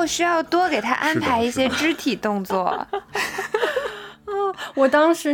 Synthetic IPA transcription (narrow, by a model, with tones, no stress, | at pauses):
ʊɕy˥jɑ˥˩ʊt̪wɔ˥ke˨˩ɪt̪ʰa̰˥ʔa˥npʰa˧˥ɪi˥˩ɕjɛ˥ʈ͡ʂɻ̩˥t̪ʰi˨˩t̪ʊ˥˧ŋt͡swɔ̰˥˩ | ɔ˥˩wɔ˨˩t̪ɑ˥ŋʂɻ̩˧˥